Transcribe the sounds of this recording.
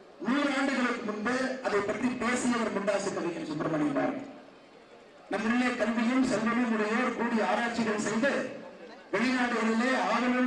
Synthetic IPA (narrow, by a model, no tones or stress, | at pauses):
nuːɾaːɳɖɯɣɐɭɯkːɯmʊnd̪ɯɐðɐɪpːɐt̪ɾipeːsɪjɐʋɐɾmʊɳɖaːsɪt̪ːɐʋiːŋɯmsɔnːɾɐmɐɳɪpa̰ːɾ̰ŋɡɐ | nɐmːʊnːɐjɐkːɐnd̪ɪjɯmsɛlːɐɾɪnʊɾɐjoːɾkuːɽiaːɾaːʈ̚t͡ʃːɪɣɐɭsɛjðɯ | ʋɛɭɪnaːɽɯɣɐɭɪleːɐʋɐɾɐɭɯ